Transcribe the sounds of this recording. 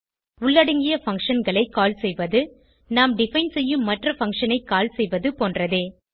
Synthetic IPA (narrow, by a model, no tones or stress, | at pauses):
ʊɭːɐɽɯŋɡɪjɐfɐŋkʂɐnɡɐɭɐɪkːaːlsɛjʋɐðɯ | naːmɖɪfɐɪnsɛjːɯmːɐʈrɐfɐŋkʂɐnɐɪkːaːlsɛjʋɐðɯpoːndrɐðeː